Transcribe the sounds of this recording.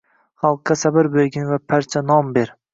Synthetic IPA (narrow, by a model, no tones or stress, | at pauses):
χɑlˠqːɑsabɪɾbolɡʲɪnvapʰaɾt͡ʃʰanɒmbeɾ